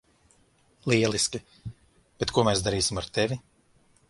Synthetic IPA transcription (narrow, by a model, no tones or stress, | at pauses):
lˠiɛlˠiskʲi | b̥et̪kuɔmɛːsd̪aɾiːsimaɾt̪evʲi